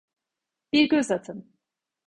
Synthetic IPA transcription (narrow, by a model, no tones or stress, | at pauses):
b̥iɾɟøzat̪ʰɯn